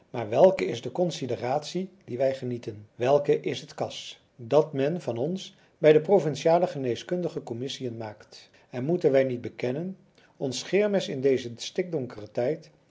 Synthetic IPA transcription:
maːɹʋɛlˠkəɪzdəkɔnsidəraːtsidiʋɛjχənitənʋɛlˠkəʔɪsɦətkɑs | dɑtmɛnvɑnɔns | bɛjdəprovɪnʃaːləχənejskɵndəχəkɔmɪsijənmaːkt | ɛnmutənʋɛjnid̚bəkɛnən | ɔnsχɪːɹmɪsɪndejzəstɪk̚dɔŋkərətɛjt

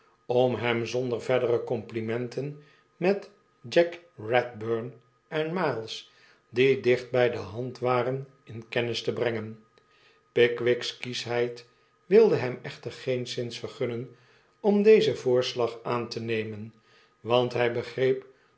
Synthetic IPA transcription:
ɔmɦɛmzɔndərvɛɹdərəkɔmplimɛntən | mɛt | d͡ʒɛkrɛt̚bøɹn | ʔɛnmalˠs | didɪχt̚bɛjdəɦɑntʋaːrən | ɪnkɛnɪstəbrɛŋən | pɪkʋɪkskisɦɛjt | ʋɪlˠdəɦɛmɛχtərχejnsɪnsfəɹχɵnən | ɔmd̪ejzəvʊːɹslɑχaːntənejmən | ʋɑntɦɛjbəχrejp

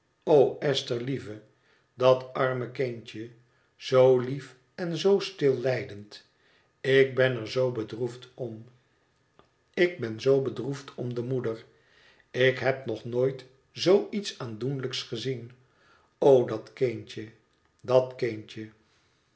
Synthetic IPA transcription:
owɛstəɹlivə | dɑtɑɹməkɪɲt͡ʃə | z̥owlif | ɛnzowstɪlˠlɛjdənt | ɪk̚bɛnəɹzowbədruftɔm | ɪk̚bɛnzowbədruftʰɔmdəmudər | ɪkɦɛp̚nɔχnoːjt | zowitsaːndunləksχəzin | owdɑtkent͡ʃə | dɑtkɪnt͡ʃə

